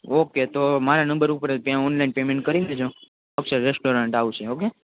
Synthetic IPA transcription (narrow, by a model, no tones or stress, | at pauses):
oket̪omaɾanə̃mbəɾupəɾelpjãɔnlainpemẽɳʈ̚kəɾined͡ʒõ | aut͡ʃʰeɾesʈoɾãɳʈaʋut͡ʃʰeoke